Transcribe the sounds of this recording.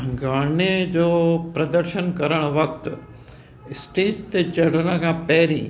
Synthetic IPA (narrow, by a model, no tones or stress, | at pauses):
ɡaːɳed͡ʒoːpɾɐd̪əɾʃənkɐɾəɽ̃ʋɐkt̪ | ɪsʈeːʈt̪et͡ʃɐɽ̤nãkapɛːɾḭ̃ː